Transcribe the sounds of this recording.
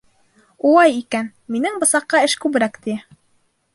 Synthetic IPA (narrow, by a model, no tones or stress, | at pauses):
ulˠɑjikæn | minɘŋbɤ̆sɑqːɑɘʃkʉβɘ̆ɾækt̪i